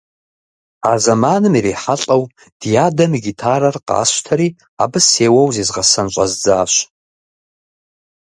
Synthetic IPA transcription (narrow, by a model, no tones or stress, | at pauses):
azamanɨmiɾeħaɬʼaw | d̥jadamɡʲitʰaɾarqʼa̰ːʃʷtʰaɾi | a̰bɨseːwawzizʁasant͡ʃʷʼazd͡zaːʃʷ